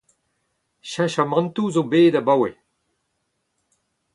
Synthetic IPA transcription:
ʃãʃamɑ̃ntuzobeːdabawe

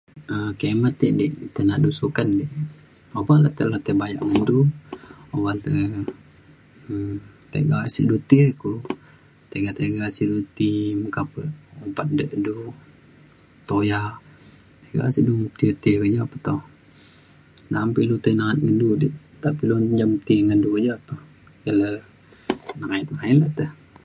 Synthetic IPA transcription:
əkemat̪ːeʔdiʔt̪enaʔdusukandɛʔ | obalat̪əlat̪əbaja̰ʔŋəndu | obalt̪ə | t̪ḛɡasiʔdut̪iəku | t̪eɡat̪eɡasiʔdut̪iməkapəumpat̪̚dəʔdu | t̪oja | t̪eɡa̰siʔdut̪iət̪iəkəd͡ʒaapə̥t̪ɔh | nampilut̪anaat̪̚ŋəndudiʔ | t̪apiluɲd͡ʒamt̪iŋəndukəd͡ʒaapə | jalə | nəɾait̪̚ainlət̪əh

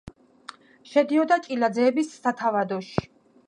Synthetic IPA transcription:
ʃɛd̪iɔd̪at͡ʃʼilad̪zɛːbisːat̪ʰavad̪ɔʃi̥

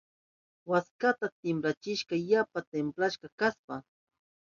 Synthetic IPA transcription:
waskat̪at̪ɪmpɾat͡ʃɪʃɢɑjapat̪emplaʃɢɑkaspa

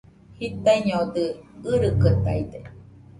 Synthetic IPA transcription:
hit̪aiɲod̪ɯɯɾɯkət̪a̰jd̪e

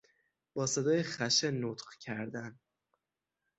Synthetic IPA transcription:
b̥ɒːsed̪ɒːjexæʃenot̪qcʰæɾd̪æn

